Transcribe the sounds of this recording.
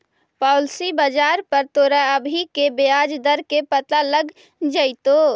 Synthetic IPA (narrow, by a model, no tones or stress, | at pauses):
paʊlsibəd͡ʒaːɾpəɾt̪oːɾaəbʱikebead͡ʒd̪əɾkepət̪aləɡ | d͡ʒaɪt̪o